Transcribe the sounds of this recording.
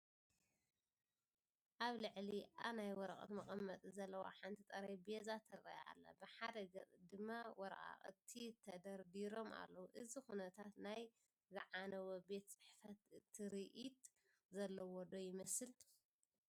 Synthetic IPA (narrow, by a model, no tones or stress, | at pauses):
ʔaβlɨʕliʔaβnajwɔɾɐχʼɐ̰t̪mɐχʼɐmːɐt̪ʼizɐlːɐwa̰ħant̪ʰit̪ʼɐɾajbezat̪ʰɐɾɐ̰ja̰lːɐ̰bɨħad̪ɐɡɐt͡sʼd̪ɨmːawɔɾʔʼa̰χʼɨt̪ʰːit̪ʰɐd̪ɐɾd̪iɾo̞ma̰lːɐwuʔɨzixunɐt̪ʰat̪naj | zɨʕanɐwobe̞t̪t͡sʼɨ̥ħfɐt̪ʰːɨɾiʔit̪ | zɐlːɐwɔd̪ojɪmɐsɨl